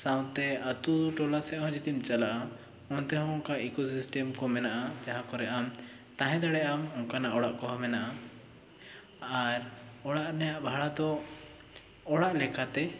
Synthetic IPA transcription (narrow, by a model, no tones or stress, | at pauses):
sawt̪ɛat̪uʈɔlasɛʔɦɔ̃d͡ʒit̪imt͡ʃalaʔa | ɔnt̪ɛɦɔ̃ɔŋkaikɔsisʈɛmkɔmɛnaʔad͡ʒaɦãkɔɾɛʔam | t̪ãɦɛ̃d̪aɽɛʔamɔŋkanaʔɔɽaʔkɔɦɔmɛnaʔa | aɾ | ɔɽaʔnɛjaʔbʱaɽad̪ɔ | ɽaʔlɛkat̪ɛ